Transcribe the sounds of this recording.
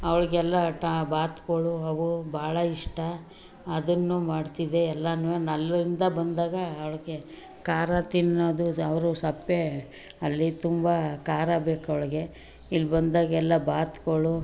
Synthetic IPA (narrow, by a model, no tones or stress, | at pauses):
ɐʋɐɭɡɛlːɐʈabaːt̪koɭuɐʋubʱaːɭɐiʂʈɐ | ɐd̪ɐnːumaːɖt̪id̪eɛlːɐnʋenɐlːɐɾind̪ɐbɐnd̪aːɡɐːʋɐɭɐɡe̞ | kaːɾɐt̪inːoːd̪uɐʋɾusɐpːe | ɐlːit̪umbɐkaːɾɐbeːkɐʋɭɐɡe̞ | ilːbɐnd̪aːɡɐɛlːɐbaːt̪koɭu